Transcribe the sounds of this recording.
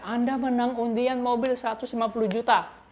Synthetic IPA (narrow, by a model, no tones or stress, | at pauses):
andamənaŋundianmobɪlsəɾat̪uslimapuluhd͡ʒut̪a